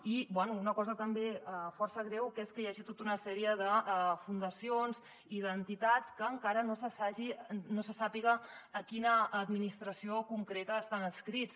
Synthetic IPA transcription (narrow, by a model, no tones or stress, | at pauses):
ibwɛnuunəkɔzət̪əmbeəfɔrsəɣɾɛwkeskəjaʒit̪ot̪unəsɛɾiəðəfund̪əsionz | iðənt̪it̪at͡skəːŋkaɾənosəsaʒinosəsapiɣəːkinəʔːd̪minist̪ɾəsiokuŋkɾet̪əːst̪anəskɾit͡s